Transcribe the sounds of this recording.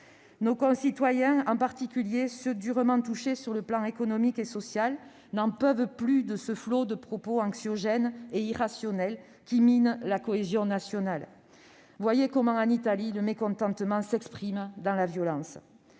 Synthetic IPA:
nokɔ̃sit̪wajɛ̃ɑ̃paʁt̪ikʲyljesəd̪yʁəmɑ̃t̪uʃesyʁləplɑ̃ekɔnɔmikesɔsjal | nɑ̃pœvplyd̪əsəflod̪əpχɔpoɑ̃ksjɔʒɛneiʁasjɔnɛl | kʲiminlakɔezjɔ̃nasjɔnal | vwajekɔmɑ̃ɑ̃nit̪aliləmekɔ̃t̪ɑ̃t̪əmɑ̃sɛkspχimd̪ɑ̃lavjɔlɑ̃s

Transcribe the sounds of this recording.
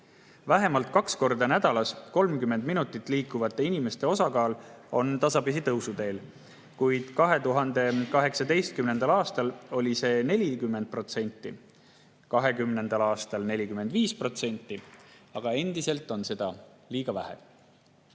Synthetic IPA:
væɦe̞mɑlt̪̚ˑkɑksko̞rd̪ɑnæd̪ɑlɑsko̞lmkymːe̞nd̪minut̪ːˑit̪ːˑliːkˑːuvɑt̪ːˑe̞inime̞st̪e̞o̞sɑkɑːlo̞nt̪ɑsɑbis̬it̪ɤwsud̪e̞ːl | kujd̪̥kɑɦe̞t̪uɦɑnd̪e̞kɑɦe̞ksɑd̪e̞jst̪̚kymne̞nd̪̥ɑlɑːst̪ɑlo̞lʲise̞ːne̞lʲikymːend̪̚pro̞t̪se̞nʲt̪ːˑi | kɑɦe̞kymne̞nd̪ɑlɑːst̪ɑlne̞lʲikymːe̞nd̪viːspro̞t̪se̞nʲt̪ːˑiɑɡ̥ɑe̞nd̪̥ise̞lt̪ːˑo̞nse̞d̪̥ɑ | liːɡ̥ɑvæhe̞̰

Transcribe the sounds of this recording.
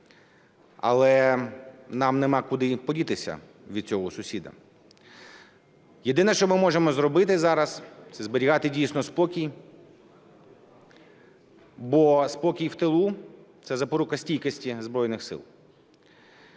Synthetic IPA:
ɐ̰lˠɛ | nɑmnemɑkʊd̪ɪpɔdʲit̪ɪsʲɐ̰ | ʋʲid̪̥̚t͡sʲɔɦɔsʊsʲid̪ɐ̰ | jed̪ɪnɐʃt͡ʃɔmɪmɔʒemɔzɾɔbɪt̪ɪzɑɾɐst̪sɛzbɔɾʲiɦɑt̪ɪdʲijsnɔspɔkʲij | bɔspɔkʲijwt̪elˠut̪sɛzɐpɔɾukɐsʲtʲijkɐsʲtʲizbɾɔjnɪxsɪ̰lˠ

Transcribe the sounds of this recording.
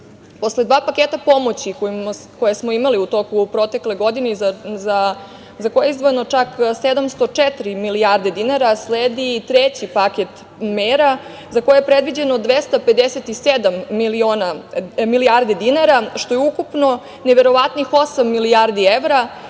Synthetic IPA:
po̞sled̪ʋaːpaket̪apo̞mot͡ɕikomko̞jesmo̞imaliut̪o̞kupɾo̞t̪e̞kle̞ɡo̞d̪ineza | zakojeizʋojenot͡ʂaksed̪amst̪o̞t͡ʂet̪ɾimilijaɾd̪ed̪inaɾasleːd̪it̪ɾet͡ɕipaket̪ | meɾa | zakojejepɾed̪ʋid͡ʑe̞nod̪ʋest̪ape̞d̪eset̪ised̪amːilio̞ːnamiliaɾd̪ed̪inaɾaʃt̪o̞jeukupno̞ | neʋe̞ɾo̞ʋat̪nixo̞samːilijaɾd̪ieʋɾa

